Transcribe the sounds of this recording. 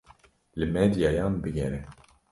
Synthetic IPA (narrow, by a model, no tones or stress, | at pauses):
lɨmɛd̪ijɑjɑːnbɨɡɛɾɛ